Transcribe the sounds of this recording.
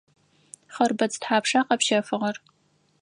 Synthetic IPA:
χɐrbɐt͡stħaːpʰʂaqɐpʃɐfɨʁɐr

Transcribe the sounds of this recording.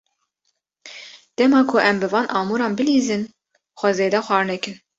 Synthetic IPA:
d̪̥ɛmɑːkʰʊʔɛmbɨvɑːnʔɑːmuːɾɑːnbɨliːzɨn | xʷɛzeːd̪ɛxʷɑːɾnɛkɨn

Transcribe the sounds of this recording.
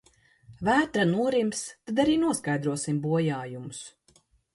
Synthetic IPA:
væːt̪ɾanuɔɾimst̪ad̪aɾiːnuɔskajd̪ɾuɔsimbuɔjaːjumus

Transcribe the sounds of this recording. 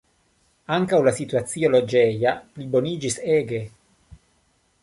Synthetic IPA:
aŋkawlasit̪uat̪siolod͡ʒejaplibonid͡ʒiseːɡe

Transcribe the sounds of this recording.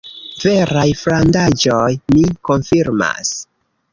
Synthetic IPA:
ve̞ɾajflandad͡ʒo̞jmiko̞nfiɾma̰s

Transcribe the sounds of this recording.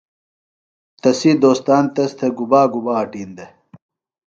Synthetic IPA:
t̪ɐsid̪oːst̪aːnt̪ɐst̪ʰɐɡubaːɡubaːʈiːnd̪e

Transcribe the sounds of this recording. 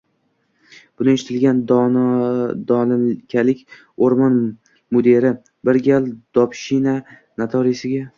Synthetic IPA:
b̥ʊnɪeʃɪt̪ʰɪlɡʲan | d̪ɒlɪkʲʰalɪkʲ | oɾmɒn | mod̪e̞ɾɪ | bɪɾɡʲalˠd̪̥ɒpʃɪna | nat̪ʰɒɾɪsɪɡʲa

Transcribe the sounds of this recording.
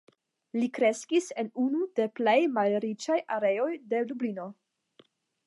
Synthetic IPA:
likɾe̞skise̞nunude̞ple̞jmalɾit͡ʃajʔaɾe̞jo̞jde̞dublino̞

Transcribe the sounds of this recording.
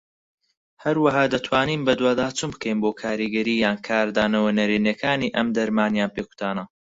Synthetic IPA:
hɐɾwɐɦaːd̪ɐt̪ʰwaːniːmbɐd̪waːd̪aːt͡sɨmbkɐjnboːkʰaːɾiɡɐɾiːjaːnkʰaːɾd̪aːnɐwɐnɐɾiːnekʰaːniːʔɐmd̪ɐɾmaːnjaːnpeːku̥t̪ʰaːnɐ

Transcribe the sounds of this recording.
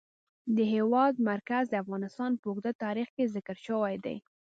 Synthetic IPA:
d̪əɦewɑd̪̚maɾkazd̪əafɣɑnɪst̪ɑnpəʊɡd̪at̪ɑɾixkezɪkəɾʃəwajd̪a̰j

